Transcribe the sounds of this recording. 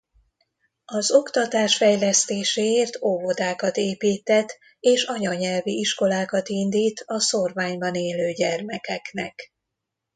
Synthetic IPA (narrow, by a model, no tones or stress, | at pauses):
ɒzo̞kt̪ɒt̪aːʃfɛjlɛst̪eːʃeːeːrt̪ʰoːvod̪aːkɒt̪eːpiːt̪ɛt̪ː | eːʃɒɲɒɲɛlviiʃko̞laːkɒt̪ind̪iːt̪ɒsorvaːɲbɒneːløːɟɛrmɛkɛknɛk